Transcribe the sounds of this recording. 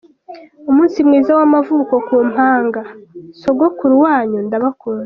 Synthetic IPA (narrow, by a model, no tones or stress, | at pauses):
umuːnsimŋiːzawamavuːko̞kuːm̥haːŋɡaso̞ɡokuɾuwaːɲundaβakoɾa